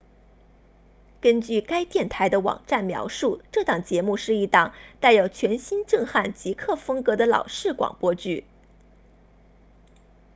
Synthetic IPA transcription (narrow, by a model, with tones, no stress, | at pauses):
kə˥nt͡ɕy˥˩ka˥ɪt̪jɛ˥˩nt̪ʰa˧˥ɪd̪ə˧wɑ̰˨˩ŋʈ͡ʂa˥˩nmjɑ̰˧˥ʊʂu˥˧ʈ͡ʂɤ˥˧˩t̪ɑ˨˩ŋt͡ɕjɛ˧˥mu˥˧ʂɻ̩˥˩˧i˧˥t̪ɑ˥˩ŋt̪a˥˩ɪjo˨˩ʊt͡ɕʰɥɛ˧˥nɕi˥nʈ͡ʂɤ˥˧ŋxa˥˩nt͡ɕi˧˥kʰɤ˥˩fɤ˥ŋkɤ˧˥d̪ə˧lɑ̰˨˩ʊʂɻ̩˥˩kwɑ̰˨˩ŋpwɔ˥t͡ɕy˥˩